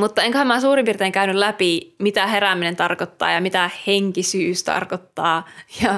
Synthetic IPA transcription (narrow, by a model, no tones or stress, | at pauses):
mut̪ːɑeŋkøhæmæsuːrimpirt̪eːŋkæynyllæpimit̪æheræminent̪ɑrkot̪ːɑ̰ːjɑmit̪æheŋkisyːst̪ɑ̰rkot̪ːɑːjɑ